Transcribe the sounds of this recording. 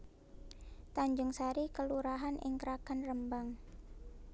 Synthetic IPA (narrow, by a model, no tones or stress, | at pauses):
t̪aɲd͡ʒʊŋsaɾikəluɾaɦanʔɪ̰ŋkəɾakanrəmbaŋ